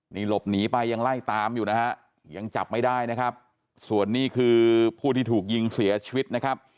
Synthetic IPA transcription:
niː˧˩lo˨˩p̚niː˩˦pa˧jːa˧ŋla˥˩jt̪aː˧mjuː˨˩na˦˥ha˦˥ʔ | ja˧ŋt͡ɕa̰˨˩p̚ma˥˩jdaː˥˩jna˦˥kʰa˦˥p̚ | su˨˩ənːiː˥˩kʰɯː˧pʰuː˥˩t̪ʰiː˥˩t̪ʰuː˨˩k̚ji˧ŋsi˩˦ɐt͡ɕʰi˧wi˦˥t̪̚na˦˥kʰa˦˥p̚

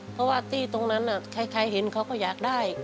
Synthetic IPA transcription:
pʰɔ˦˥waː˥˩t̪iː˧˩t̪o˧ŋna˦˥nʔa˨˩kʰa˧˩jkʰa˧jɦe˩˦nkʰa˦˥wkɔː˥˩jaː˨˩k̚daː˥˩j

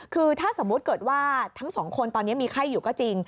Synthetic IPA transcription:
kʰɯː˧t̪ʰaː˥˩so˩˦mu˦˥t̪̚kɤː˨˩t̪̚waː˥˩t̪ʰa˦˥ŋsɔː˩˦ŋkʰo˧nt̪ɔː˧nː˦˥ɐmiː˧kʰa˥˩jːuː˨˩kɔː˥˩t͡ɕi˧ŋ

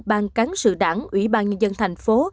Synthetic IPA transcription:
ɓaː˧˩nka˨˦ŋsɨ̰˧˨ɗaː˧˩ŋʔwḭ˧˥ɓaː˧nɲə˧nzə˧nt̪ʰa˨˩jŋ̟fo˨˦

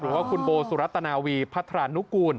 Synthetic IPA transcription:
ɾɯː˩˦waː˥˩kʰu˧nboː˧su˨˦ɾa˦˥t̪ːa˧naː˧wiː˧pʰa˦˥t̪ʰɾaː˧˩nːu˦˥kuː˧n

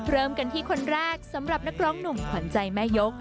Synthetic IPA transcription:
ɾɤː˧mka˧nt̪ʰiː˥˩kʰo˧nɾɛː˥˩k̚sa˩˦mɾa˨˩p̚na˦˥k̚ɾɔː˦˥ŋnu˨˩mkʰa˩˦nt͡ɕa˧jmɛː˥˩jo˦˥k̚

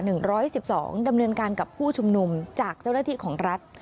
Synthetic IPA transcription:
nɯ˨˩ŋɾɔː˦˥jsi˨˩p̚sɔ̰ː˩˦ŋda˧mnɤː˧nkaː˧nka˨˩pʰːuː˥˩t͡ɕʰu˧mnu˧mt͡ɕaː˨˩k̚t͡ɕa˥˩wnaː˥˩t̪ʰiː˥˩kʰɔː˩˦ŋɾa˦˥t̪̚

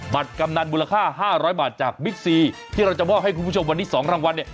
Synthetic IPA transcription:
ba˨˩t̪̚ka˧mna˧nmuː˧la˧kʰaː˥˩ɦaː˥˩ɾɔː˦˥jbaː˨˩t̪̚t͡ɕaː˨˩k̚mi˦˥k̚siː˧t̪ʰiː˥˩ɾa˧wt͡ɕa˨˩mɔː˥˩k̚ha˥˩kʰu˧npʰu˥˩o˧mwa˧nt̪ːʰiː˥˩sɔː˩˦ŋɾaː˥˧˩ŋwa˧nːi˥˩ɐ

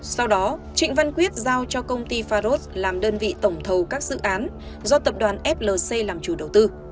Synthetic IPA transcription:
sa˧wɗɔ˨˦t͡ɕï˧˨ŋ̟va˧nkwi˦˥ət̚zaː˧wt͡ɕɔ˧kə˧wŋ͡mt̪i˧faː˧zo˦˥t̚laː˨˩mɗəː˧nvḭ˧˨t̪ə˧˩wŋ͡mt̪ʰə˨˩wkaː˦˥k̚zɨ̰˧˨ʔaː˨˦n | zɔ˧t̪ə˨˩p̚ɗwaː˨˩nʔɛ˦˥p̚ləː˨˩se˧jlaː˨˩mt͡ɕu˧˩ɗə˨˩wt̪ɨ˧

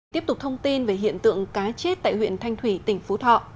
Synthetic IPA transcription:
t̪i˦˥əp̚t̪ʊ˨˩k͡p̚t̪ʰə˧wŋ͡mt̪i˧nve˧˩ɦḭ˧˨ənt̪ɨ̰˧˨əŋkaː˨˦t͡ɕe˦˥t̚t̪a̰ː˧˨jhwḭ˧˨ənt̪ʰa˧jŋt̪ʰwi˧˩t̪ï˨˩ŋ̟fu˨˦t̪ʰɔ̰˧˨ʔ

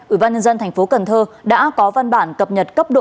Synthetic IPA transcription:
ʔi˧˩ɓaː˧nɲə˧nzə˧nt̪ʰa˨˩ŋ̟fo˨˦kə˨˩nt̪ʰəː˧ɗa̰ː˧˥kɔ˨˦va˧nɓa̰ː˧˩nkə˨˩p̚ɲə˨˩t̚kə˦˥p̚ɗo̰˧

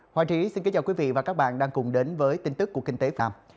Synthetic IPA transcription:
haː˧˩t͡ɕi˨˦si˧nki˨˦t͡ɕaː˨˩wki˨˦vḭ˧˨vaː˨˩kaː˦˥k̚ɓa̰ː˧˨nɗaː˧ŋkʊ˨˩ŋ͡mɗe˨˦nvəː˨˦jt̪i˧nt̪ɨ˦˥kːu˧˩əkï˧ŋ̟t̪e˨˦fa̰ː˧˨m

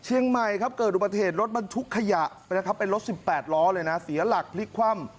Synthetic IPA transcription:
t͡ɕʰi˧əŋma˨˩jkʰa˦˥p̚kɤː˨˩t̪ʔu˨˩˧t̪ʰeː˨˩t̪̬̚ɾo˦˥t̪̚ba˧nt̪ʰu˦˥kʰːa˧ja˨˩ʔ | na˦˥kʰa˦˥pːe˧nɾo˦˥t̪̚si˨˩pːɛː˨˩t̪̚lɔː˦˥lɤː˧jna˦˥si˨˩˦ɐla˨˩k̚pʰli˦˥kʰwa˧˥˩m

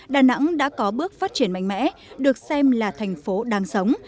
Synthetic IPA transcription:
ɗaː˨˩na̰˧˥ŋɗa̰ː˧˥kɔ˨˦ɓɨ˦˥ək̚faː˦˥t̚t͡ɕi˧˩ənma̰˧˨ŋ̟mɛ̰˧˥ɗɨ˨˩ək̚sɛ˧mlaː˨˩t̪ʰɛ˨˩jŋ̟fo˨˦ɗaː˨˦ŋsə˨˦wŋ͡m

